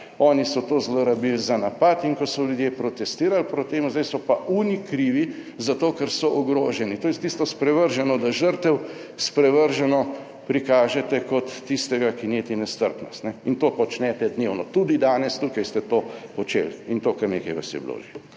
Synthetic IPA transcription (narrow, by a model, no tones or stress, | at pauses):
ɔːnisɔt̪oːzloɾabilzanapat̪iŋkɔsɔljud̪jepɾɔt̪ɛst̪iːɾalpɾɔt̪ːeːmzd̪ajsɔpauːnikɾiːʋi | zat̪oːkɛɾsɔʔɔɡɾoːʒɛnit̪oːjɛt̪ist̪ɔspɾɛʋəɾʒɛnɔd̪aʒəɾt̪ɛw | spɾɛʋəɾʒɛnɔ | pɾikaːʒɛt̪ɛkɔt̪ːist̪ɛɡakinet̪inɛst̪əɾpnɔst̪nɛint̪oːpɔt͡ʃnɛt̪ɛd̪newnɔt̪ud̪id̪aːnɛst̪ukajst̪ɛt̪oːɔt͡ʃḛːlint̪oːkəɾnekɐjʋa̰sjɛ̰blo̰ʒḭ